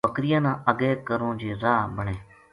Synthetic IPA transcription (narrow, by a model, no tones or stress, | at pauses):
əkɾɪjãːnãːʔəɡeːkəɾõːd͡ʒeːɾaːbəɳeː